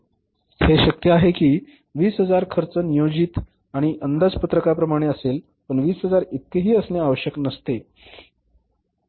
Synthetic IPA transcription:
heɕəkjəaɦekiː | ʋiːsɦəd͡zaɾkʰəɾt͡sənijod͡ʑiːt̪ | aɽ̃iʔənd̪ad͡zpət̪ɾəkapɾəmaɽ̃eəsel | pəɳʋiːsɦəd͡zaɾit̪̚keɦiːəsneaʋəɕjəknəst̪e

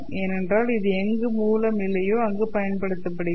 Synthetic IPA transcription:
eːnɛndraːlɪðɯɛŋɡɯmuːlɐmɪlːɐjoːɐŋɡɯpɐjɐnpɐɽɯt̪ːɐpːɐɽɪ

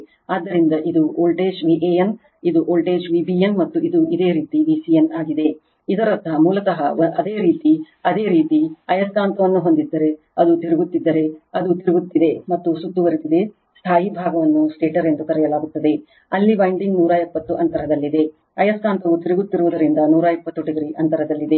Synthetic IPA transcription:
aːd̪ːɐɾind̪ɐʔid̪uoːlʈe̞ːd͡ʒʋiʔeːjɐn | id̪uʔoːlʈeːd͡ʒʋibienmɐt̪ːuid̪uid̪e̞ːɾiːt̪iʋiːsijɐnaːɡid̪e̞ | id̪ɐɾɐt̪ɐɦɐmuːlɐt̪ɐɦɐʔɐd̪e̞ːɾiːt̪i | ɐd̪e̞ːɾiːt̪iɐjɐskaːnt̪ɐʋɐnːuɦo̞nd̪id̪ːɐɾe̞ | ɐd̪ut̪iɾuɡut̪ːid̪ːɐɾe̞ɐd̪ut̪iɾuɡut̪ːid̪e̞mɐt̪ːusut̪ːuʋɐɾit̪id̪e̞ | st̪ʰaːɦibʱaːɡɐʋɐnːusʈeːʈɐɾe̞nd̪ukɐɾɛjɐlaːɡut̪ːɐd̪e̞ | ɐlːibɐjɳɖiŋɡnuːɾajepːɐt̪ːuʔɐnt̪ɐɾɐd̪ɐlːid̪e̞ | ɐjɐskaːnt̪ɐʋut̪iɾuɡut̪ːiɾuʋud̪ɐɾind̪ɐnuːɾajepːɐt̪ːuʈiɡɾiʔɐnt̪ɐɾɐd̪ɐlːid̪e̞

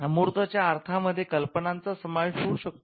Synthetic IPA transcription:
muɾt̪ət͡ɕjaːɾt̪ʰaməd̪ʱːjekəlpənant͡sasəmajɕuːɾɕək̚t̪

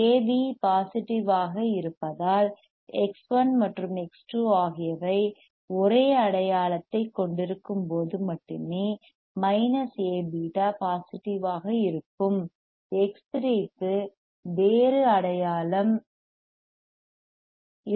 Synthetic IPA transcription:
eːʋipaːsɪʈːɪʋaːɣɐɪɾɯpːɐðaːl | ɛksʋɐnmɐʈrɯmɛksʈuaːɣɪjɐʋɐɪ | ɔɾeːɐɽɐjaːlɐt̪ːɐɪkːɔɳɖɪɾɯkːɯmpoːðɯmɐʈːɯmeː | mɐɪnɐseːbiːʈaːpaːsɪʈːɪʋaːɣɐɪɾɯpːɯm | ɛkstɾiːkːɯ | ʋeːɾɯɐɽɐjaːlɐm

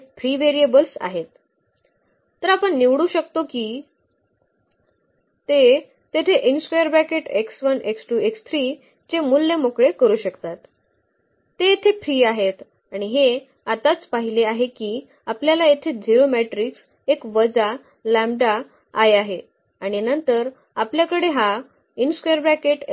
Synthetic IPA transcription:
pʰɾiːʋeɾiəbəlsa̰ɦet̪ | t̪əɾapəɳniʋɽuːɕəkt̪okiː | t̪e | t̪et̪ʰeʔinspajəɾbækeʈeksʋəneksʈuːekst̪ʰɾiː | t͡ɕemulːemokɭekəɾuːɕəkt̪at̪ː | eet̪ʰefɾiːaɦet̪ | aɽ̃iɦe | at̪at͡spaɦileaɦekiː | apljalaet̪ʰed͡ʑiɾomeʈɾiːks | ekʋəd͡za | læ̃mɖaː | jaɦe | aɽ̃inənt̪əɾ | apljakəɽeɦa | inskojəɾbɾækeʈ

